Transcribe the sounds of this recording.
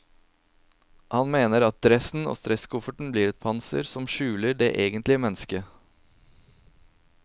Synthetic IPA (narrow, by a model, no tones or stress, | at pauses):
hɑnmeːnəɾɑt̪̚d̪ɾɛsn̩o̰ːst̪ɾɛskʰʊfəʈɳ̩bliːɾɛt̪̚pʰɑnsə̰ɾsɔmʃʉːləɖeːʔeːɡənt̪lɪəmɛnəskə